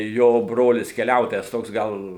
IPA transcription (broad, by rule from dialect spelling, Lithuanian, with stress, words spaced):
ˈjoː ˈbroːlʲɪs kʲɛˈlʲɛʊtoːjɛs ˈtoːks ˈɡɐlˠ